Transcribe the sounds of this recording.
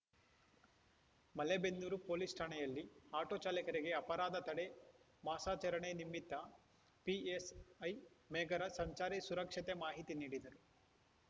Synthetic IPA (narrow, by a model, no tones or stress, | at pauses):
mɐlebenːuɾupoːlisʈʰaːɳɐjɐlːiaːʈoːt͡ʃaːlikɐɾiɡe̞ɐpɐɾaːd̪ɐt̪ɐɽe | maːsaːt͡ʃɐɾɐɳenimːit̪ːɐ | piesɐjmɛːɡɐɾɐsɐɲt͡ʃaːɾisuɾɐkʂɐt̪emaːɦit̪iniːɽid̪ɐɾu